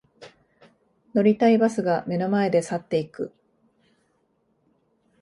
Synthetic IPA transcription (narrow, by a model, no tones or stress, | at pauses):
no̞ɾʲit̪aibasɨɡame̞no̞mae̞d̪e̞sat̪ːe̞ikɯ̟